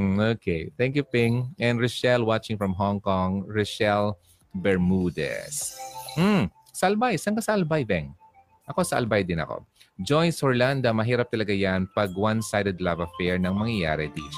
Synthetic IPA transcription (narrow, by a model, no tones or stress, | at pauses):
oːkejt̪ɛ̃ŋkjupɪŋʔɛ̃nd̪ɹɪʃɛlwat͡ʃɪ̃ŋfɹɐmɦɔŋkɔŋɹɪʃɛl | bɛɹmud̪ɛ̰sm̩ | sɐʔɐlbajsɐŋkasɐʔɐlbajd̪ɛŋ | ʔɐko̞sɐʔɐ̰lbajd̪ɪnɐ̰ko̰ | d͡ʒojnshɔɹland̪ɐmɐɦiːɾɐp̚t̪ɐlɐɡajanpɐɡwansajd̪ɛd̪lavɐfɛɹnɐŋmɐŋjɐja̰ːɾɛd̪iʃ